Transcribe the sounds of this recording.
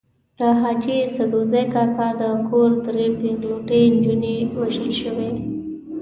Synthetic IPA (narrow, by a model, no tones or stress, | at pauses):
d̪̥əɦɑt͡ʃisad̪ozajkɑkad̪əkoɾd̪ɾepɪɡluʈənd͡ʒunewaʒəlʃəwe